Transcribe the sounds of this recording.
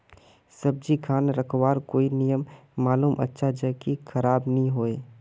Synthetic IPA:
sɐb̚d͡ʒikʰaːnɾɐkʰwaːɾkoːinijəmːaːluːmʔɐ̰tːʃʰad͡ʒəkixʰɐɾaːbnɐɦĩɦoːeː

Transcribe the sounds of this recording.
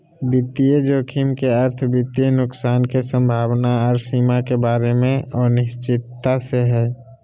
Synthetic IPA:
bɪt̪ːijed͡ʒokʰimkeəɾt̪ʰbɪt̪ijenʊksaːnkesə̃mbʱaːwnaɔːɾsiːmakebaːɾemẽɔːɾnɪʃt͡ʃɪt̪ːaseɦɛː

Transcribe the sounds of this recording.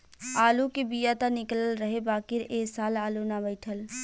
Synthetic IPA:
aːlukebijat̪anɪkləlɾəɦebaːkɪɾeːsaːlaːlunabəɪʈʰəl

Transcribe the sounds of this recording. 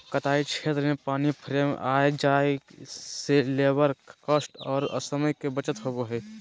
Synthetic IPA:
kɐt̪aːit͡ʃʰeːt̪ɾəmẽpaːnipʰɾeːma̰ːed͡ʒaː | seleːbəɾkəsʈɔːɾə̰səməjkebət͡ʃət̪ɦoɡoɦɛ

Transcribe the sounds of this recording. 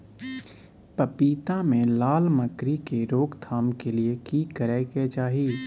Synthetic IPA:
pɐpiːt̪amẽlaːlmɐkɾikeɾoːɡt̪ʰaːmkeliekiːkəɾɛket͡ʃaːɦiː

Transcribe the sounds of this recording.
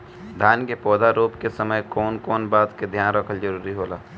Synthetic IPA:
d̪ʱaːnkepɔːd̪ʱaɾoːpkesəməjkɔːnkɔːnbaːt̪ked̪ʱjaːnɾəkʰəld͡ʒəɾuːɾiɦoːlaː

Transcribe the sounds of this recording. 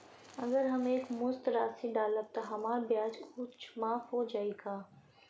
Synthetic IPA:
ɐɡəɾɦɐmeːkmʊst̪ɾaːsiɖaːləb̚t̪oɦɐmaːɾbjaːd͡ʒkuːt͡ʃʰmaːfɦod͡ʒaːeːɡaː

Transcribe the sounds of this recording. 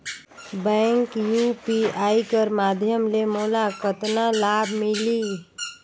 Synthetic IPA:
bə̃ŋkjupiajkəɾmad̪ʱjəmlemolakət̪nalabʱmili

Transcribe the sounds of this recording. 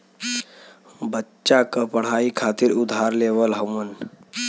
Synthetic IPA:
bətːɕakəpəɽ̤aikʰat̪iːɾud̪ʱaɾleʋəlɦəmən

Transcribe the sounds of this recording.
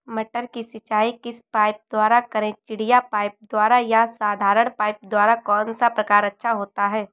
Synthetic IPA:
mɐʈəɾkisɪt͡ʃaːikɪspaːɪp̚d̪waːɾakɐɾẽt͡ʃɪɽ̤ijapaːɪp̚d̪waːɾajasaːd̪ʱaːɾəɽ̃paːɪp̚d̪waːɾakɔːnsapɾɐkaːɾɐtːʃʰaɦoːt̪aɦɛː

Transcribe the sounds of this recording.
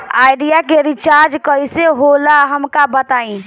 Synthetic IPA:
ajɖijakeɾit͡ʃaɾd͡ʒkəiseɦolaɦəmkabət̪aĩ

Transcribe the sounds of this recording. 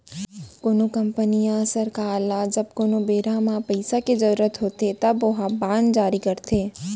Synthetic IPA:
koːnokɐ̃mpənijãsəɾkaːlad͡ʒɐb̚koːnobeːɾãmãpɐɪsakezɐɾuːɾət̪ɦoːt̪et̪ɐbʊɦãbãːnd͡ʒaːɾikɐɾt̪eː

